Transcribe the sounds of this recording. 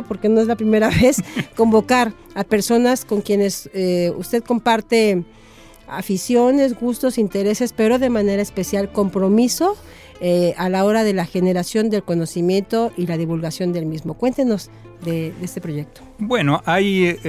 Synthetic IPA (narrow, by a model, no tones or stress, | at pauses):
po̞ɾkeno̞e̞zlapɾime̞ɾaβe̞sko̞mbo̞kaɾ | ape̞ɾso̞nasko̞ŋkje̞ne̞seṵst̪e̞ðko̞mpaɾt̪e̞ | afisjo̞ne̞zɣust̪o̞sint̪e̞ɾe̞se̞spe̞ɾo̞ðe̞mãne̞ɾaespe̞sjalko̞mpɾo̞miso̞ | ealao̞ɾaðe̞laxe̞ne̞ɾasjo̞nd̪e̞lko̞no̞simje̞nt̪o̞ʔilaðiβulɣasjo̞nd̪e̞lmizmo̞kwe̞nt̪e̞no̞z | ðeðest̪e̞pɾo̞ʝe̞k̚t̪o̥bwenoʔaj